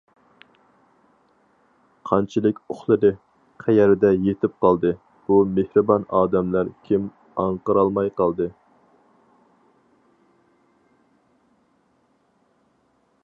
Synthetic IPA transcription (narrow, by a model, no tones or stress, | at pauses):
qʰɑnt͡ʃʰilˠɪkʲoχlˠɨɾɨ | qʰæjɛɾɪd̪ɛjet̪ʰɪp̚qɑlˠd̪ɨ | b̥umehɾɨbɑnɑːd̪ɛmlæɾkʲʰim | ɑɴqəɾɑlˠmɑjqɑlˠd̪ɨ